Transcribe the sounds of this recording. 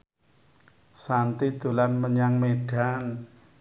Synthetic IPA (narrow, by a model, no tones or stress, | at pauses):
sant̪id̪̥ṳlanməɲaŋmeɖ̥an